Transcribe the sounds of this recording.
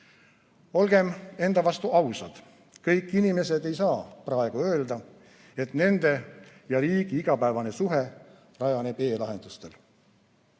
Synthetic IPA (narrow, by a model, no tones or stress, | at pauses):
o̞lɡ̥e̞me̞nd̪̥ɑvɑst̪uʔɑwsɑd̪̥ | kɤjkːˑinime̞se̞d̪e̞jsɑːprɑe̞ɡ̥uø̞ːld̪ɑ | e̞t̪ne̞nd̪̥e̞jɑɾiːɡ̥iiɡ̥ɑpæevɑne̞suɦe̞ | rɑjɑne̞b̥e̞ːlɑɦe̞nd̪̥ust̪e̞l